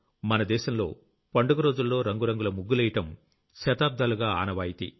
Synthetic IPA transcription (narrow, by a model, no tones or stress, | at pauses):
mɐnɐd̪ɛːʃɐmlo̞̰ː | pɐɳɖuɡɐɾo̞ːd͡ʒulːo̞ːɾɐŋɡuɾɐŋɡulɐmuɡːulɐjiʈɐm | ʃɐt̪aːb̚d̪aːluɡaːaːnɐʋaːjit̪ḭ